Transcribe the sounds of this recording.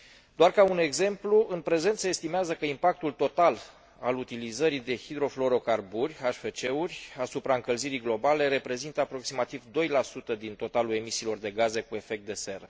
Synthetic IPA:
d̪oarkaune̞ɡze̞mpluʔɨnpɾe̞ze̞nt̪səest̪imeazəkəimpak̚t̪ult̪o̞t̪al | alut̪ilizəɾid̪e̞hid̪ɾo̞flo̞ɾo̞karburʲaʃfet͡ʃe̞urʲasupɾaɨŋkəlziɾiɡlo̞bale̞ɾe̞pɾe̞zint̪əapɾo̞ksimat̪ivd̪o̞jlasut̪əd̪int̪o̞t̪alue̞misiːlo̞rd̪e̞ɡaze̞kue̞fe̞k̚t̪̚d̪e̞se̞ɾə

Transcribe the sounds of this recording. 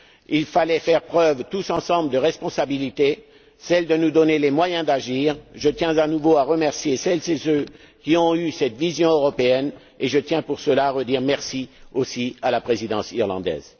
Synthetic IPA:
ilfalɛfɛʁpχœvt̪usɑ̃sɑ̃bld̪əʁɛspɔ̃sabilit̪e | sɛld̪ənud̪ɔnelemwajɛ̃d̪aʒiːʁʒət̪jɛ̃zanuvoaʁəmɛʁsjesɛlsesø | kʲiɔ̃ysɛt̪vizjɔ̃øʁɔpeɛn | eʒət̪jɛ̃puʁsəlaːʁəd̪iʁmɛʁsiosialapχezid̪ɑ̃siʁlɑ̰̃d̪ɛ̰ːz

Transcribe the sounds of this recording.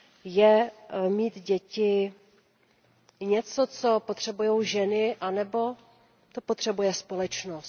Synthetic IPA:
jɛmiːt̪ɟɛcɪ | ɲɛt͡so̞t͡so̞pot̪r̝̥ɛbujowʒɛnɪʔanɛbo̞ | t͡sopot̪r̝̥ɛbujɛspo̞lɛt͡ʃnost̪

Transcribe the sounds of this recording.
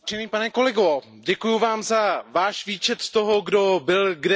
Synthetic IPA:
ɛniːpanɛko̞lɛɡo | ɟɛkujuvaːmzavaːʃviːt͡ʃɛt̪st̪oɦo̞ɡdo̞bɪlɡdɛ

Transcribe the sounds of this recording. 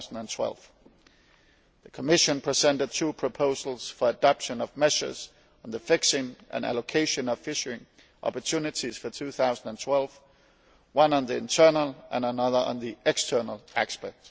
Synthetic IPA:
sn̩ə̃ntʰw̥ɛ̰lv̥ | ðəkʰəmɪʃə̃npʰɹ̥isɛ̃ntɨd̚tʰuːpʰɹ̥əpʰoʊzl̩ˠsfə˞ədɑpʃə̃nʌvmɛʃə̰˞z̥̃ | n̩ðəfɪksɪ̃ŋʔɨ̰̃næ̰lokʰeɪʃɨ̃nʌv̥fɪʃə˞ɪ̃ŋ | ʔɑ̰pə˞tʰʉnɨtiz̥fə˞tʰʉθaʊzn̩də̃ntʰw̥ɛlˠv | wʌ̃nə̃nðiɪ̃ntʰɜ˞nəlˠʔə̃nənʌðə˞ʔə̰̃nðiʔɛkstʰɜ˞nəl̩ˠækspɛk̚t

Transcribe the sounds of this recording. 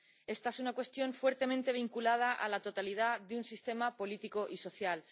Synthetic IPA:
e̞st̪aesunakwe̞st̪jo̞ɱfwe̞ɾt̪e̞mẽnt̪e̞β̞iŋkulað̞aʔa̰lat̪o̞t̪alið̞aðeunsist̪e̞mapo̞lit̪iko̞ʔiso̞θjal

